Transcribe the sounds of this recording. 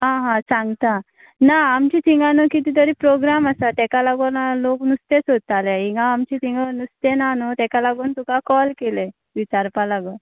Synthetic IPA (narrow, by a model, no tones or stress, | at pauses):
ɦãɦãsãŋɡt̪a | naːmt͡ɕit̪iŋɡanokit̪iːt̪əɾiːpɾoɡɾamasat̪ɛkalaɡonaloknust̪esod̪̚t̪aleiŋɡaːmt͡ɕit̪iŋɡənust̪enanot̪ɛkalaɡuːnt̪ukakɔlkele | ʋit͡ɕaɾpalaɡo